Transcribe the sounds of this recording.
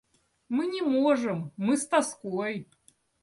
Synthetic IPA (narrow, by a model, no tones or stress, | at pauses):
mɨnʲɪmoʐɨmːɨst̪askoj